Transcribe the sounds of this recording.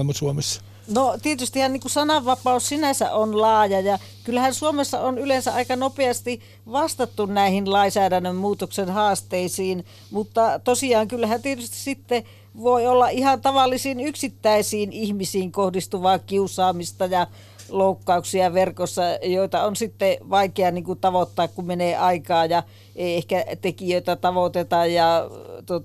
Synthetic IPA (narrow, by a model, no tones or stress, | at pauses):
mɑsuomesːɑ̥ | not̪iet̪yst̪ihæniːŋkusɑnɑʋːɑpɑussinæsæ̰ʔonlɑːjɑjɑ | kylːæhænsuomesːɑ̰onylensæʔʔɑikɑnopeɑst̪i | ʋɑst̪ɑt̪ːunnæˑihinlɑisæːdænːømmuːt̪oksenhɑːst̪eisiːn | mut̪ːɑt̪osiɑːŋkylːhænt̪iet̪yst̪i̥sit̪ːe | ʋoiolːɑʔihɑnt̪ɑʋɑlːisiːnyksit̪ːæisiːnihmisiːŋkohdist̪uʋɑːkiusˑɑːmist̪ɑjɑ | loukːɑuksiɑʋerkosːɑjoit̪ɑonsit̪ːeʋɑikeɑniːŋkut̪ɑʋot̪ːɑːkkumeneːʔɑikɑːjɑ | ʔeiehkæt̪ekijøit̪æt̪ɑʋot̪et̪ɑjjɑt̪uot̪